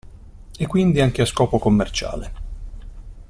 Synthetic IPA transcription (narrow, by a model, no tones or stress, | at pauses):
ekːwind̪iaŋk̟easkɔːpokomːert͡ʃa̰ːle